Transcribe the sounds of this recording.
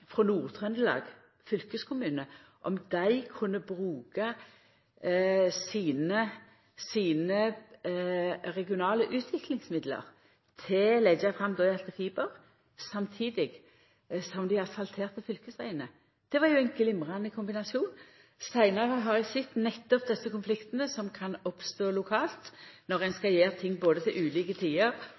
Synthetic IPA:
fʁɔnuːʁt̪ʰʁœnd̪əlɑ̰ːɡ | fʏlkəskʰʊmʉːnəʔɔmd̪æɪkʰʉnːəbʁʉːkɑ | siːnə | siːnə | ʁɛɡɪʊnɑːləʔʉːt̪ʰʋɪklɪŋsmɪd̪lə̰ʁ | t̪ʰɪlɛd͡ʒɑfʁɑmd̪oːɪɑlt̪əfiːbəʁ | sɑmt̪ʰiːd̪ɪɡ | sɔmd̪ɪɑlt̪fɑlt̪ʰeːʁt̪əfʏlkəsæɪənə | d̪̥ɛʋɑɾjʊɛɪnɡlɪmʁɑnəkʰʊmbɪnɑsɪuːn | sæɪnɑʁəɦɑʁæsɪt̪ːnɛt̪ːɔp̚d̪ɛsːəkʊnflɪkt̪ənəsɔmkʰɑnɔpst̪oːlʊkʰɑːlt̪nɔʁɛnskɑjeːʁt̪ʰɪŋːboːd̪ət̪ʰɪlʔʉːliːkət̪ʰiːəʁ

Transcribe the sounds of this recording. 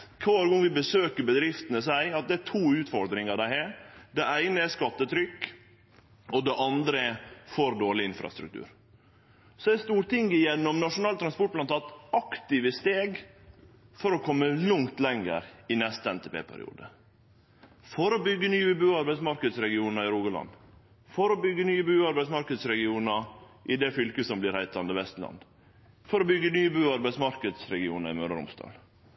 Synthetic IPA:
kʰɑːɾɡʊŋːʋɪbəsøːkəɾbəd̪ɾɪft̪ənəsæɪɑt̪̚d̪ɛæt̪ʰuːʉːt̪fɔɾd̪ɾɪŋɑd̪æɪɦɛːɾd̪ɛʔæɪnəɛskɑt̪ːət̪ʰɾʏkː | ɔd̪ɛʔɑnd̪ɾəɛfɔɾd̪oːɭɪɪnfɾɑ̰st̪ɾʉ̰k̚t̪ʰʉ̰ːɾ | sɔɛst̪uːɾt̪ɪŋɡɪjɛnːɔmnɑʂʊnɑːlt̪ɾɑnspɔʈ̚plɑnt̪ʰɑːt̪ɑkt̪ɪʋəst̪eːɡ | fɔɾɔkʰɔmːəlʊŋt̪lɛŋə̰ɾɪnɛst̪əɛnt̪ɛpʰḛːpʰæ̰ɾɪ̰ṵːd̪ə | fɔɾɔbʏɡːənyːəbʉːɑɾbæɪsmɑɾkəd̪sɾɛɡɪuːnɑɪɾuːɡəlɑ̰n | fɔɾɔbʏɡːənyːəbʉːɑɾbæɪsmɑɾkəd̪sɾɛɡɪuːnɑ | ʔɪd̪ɛfʏlkəsɔmblɪɾhæɪt̪lɑnd̪əʋɛst̪lɑ̰nd̪ | fɔɾɔbʏɡənyːəbʉːɑɾbæɪsmɑɾkəd̪sɾɛɡɪuːnɑɾɪ̰møːɖ̪əɾʊ̰mst̪ɑ̰ːl

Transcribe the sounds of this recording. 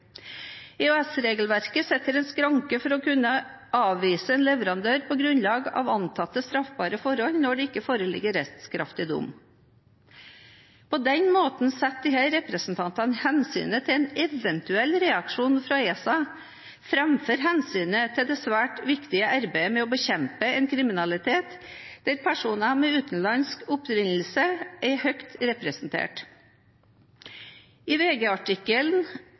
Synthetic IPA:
ɛʉɛsɾeːɡəl̩ʋæɾkəsɛt̪ːəɾɛnskɾɑŋkəfɔɾɔkʰʉnːə | ʔɑːʋʋiːsəɛːnlɛʋəɾɑnd̪øːɾpʰɔɡɾʉnlɑːɡɑ̰ːʋɑnt̪ʰɑt̪ːəst̪ɾɑfbɑːɾəfɔɾhɔlnɔɖɛɪkːəfoːɾəlɪ̰ɡːəɾɛtt̪skʰɾɑ̰ft̪ɪd̪ʊ̰m | pʰɔd̪ɛnmoːt̪nsɛt̪̚d̪ɪhæɪɾɛpɾəsn̩t̪ʰɑnt̪ɑnhɛnsy̰ːnət̪ʰɪlɛːnɛʋənt̪ʉɛlːɾɛɑkʂuːnfɾɑeːsɑ | fɾɛmføːɾɦɛnsyːnət̪ʰɪld̪eːsʋæːʈʋɪkt̪ɪəʔɑɾbæɪəmɛoːbəçɛmpəɛːnkʰɾɪmɪnɑlɪt̪ʰeːt̪d̪̥æɾpʰæʂuːnɑmɛʉːt̪n̩lɑnskʊpɾɪnl̩səʔæɪhœkt̪ɾɛpɾɛsn̩t̪ʰḛːʈ | ɪʋeːɡeːɑʈɪkəln

